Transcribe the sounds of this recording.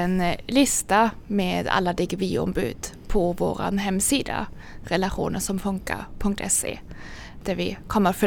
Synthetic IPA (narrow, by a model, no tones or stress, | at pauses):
ɛnlɪst̪ameːd̪a̰lːad̪ɛɡviːɔ̰mbʉ̟ːd̪ | pʰɔvoːɾa̰nɦɛmːsiːd̪a̰ | ɾɛlaɧṵːnəʂɔmfɵŋka̰ɾpʰɵŋk̚t̪ʰɛsḛː | d̪̥æɾvɪkʰɔmːəɾfœ